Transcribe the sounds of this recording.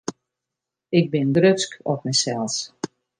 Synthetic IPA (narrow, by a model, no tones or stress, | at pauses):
ɪk̚bɪndrøskɔtmɛjsɛlˠs